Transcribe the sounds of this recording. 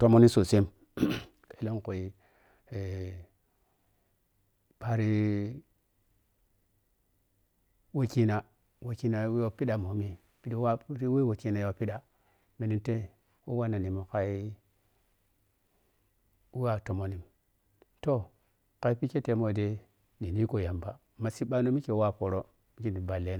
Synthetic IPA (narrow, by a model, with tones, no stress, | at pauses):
to˦mo˦ni˦so˨se˦m | e˨lo˦nko˨i˨ | e˨ | pa˨ɾi˦ | we˦ki˦na˨ | we˨ki˦na˨˦o˦pi˦ɗa˨mo˨mi˨ | pi˦da˦ɾwe˦wo˨ki˦na˨jo˨pi˦ɗa˨ | me˨ni˨nte˦ | wo˦wa˦na˨ni˨mo˨ka˨i˦ | wwa˨to˨mo˨ni˨m | to˦ | ka˨i˦pi˦ke˦te˨˦mo˨de˦ | ni˨ni˦ko˨ja˨mba˨mːa˨si˦ɓa˦no˦mi˦ke˨˦wa˦˨po˨ɾo˦ | mi˦ki˦ni˨ba˨le˦n˨